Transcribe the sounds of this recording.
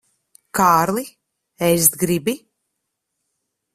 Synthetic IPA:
kaːɾli | ɛjs̬t̪ɡɾibi

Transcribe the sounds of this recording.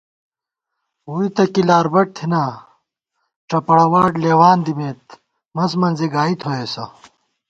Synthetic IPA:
uit̪ɐkilaːɾbɐʈ̚t̪ʰinaː | ʈ͡ʂɐpɐɽɐwaːʈleːwaːnd̪imeːt̪̚ | mɐzmɐnziɡaːit̪ʰoeːsɐ

